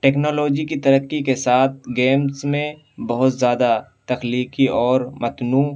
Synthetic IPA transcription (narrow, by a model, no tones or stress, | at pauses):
ʈeːknoːloːd͡ʒikit̪ɐɾəkːikesaːt̪̚ʰɡeːmsmẽ | bɐɦʊt̪zjaːd̪at̪ɐxliːkiɔːɾmɐt̪nuː